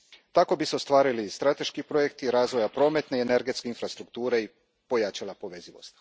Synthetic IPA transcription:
t̪ako̞biseost̪ʋaːɾilist̪ɾat̪e̞ʃkipɾo̞jekt̪iɾaːzʋo̞japɾo̞ːme̞t̪neeneɾɡe̞t̪ske̞infɾast̪ɾuk̚t̪uːɾei | po̞jaːt͡ʃalapo̞ʋeziʋo̞̰st̪

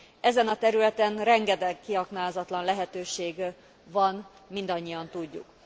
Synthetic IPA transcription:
ɛzɛnɒt̪ɛɾylɛt̪ɛnrɛŋɡɛd̪ɛɡkiɦɒknaːlzɒt̪lɒnlɛɦɛt̪øːʃeːɡ | vɒn | mind̪ɒɲːijɒnt̪uɟːṵk

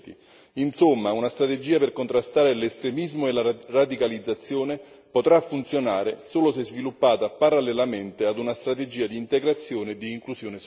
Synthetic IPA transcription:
t̪ḭ | insomːaunast̪ɾat̪ed͡ʒiːaperkont̪ɾast̪aːɾelest̪ɾemizmoelarad̪ikalid̪zːat̪sːjoːne | pot̪ɾafːunt̪sjonaːɾesoːlosezvilupːaːt̪apaɾalːelament̪ead̪unast̪ɾat̪ed͡ʒiːad̪iːnt̪eɡɾat̪sːjoːned̪iːŋklusjoːne

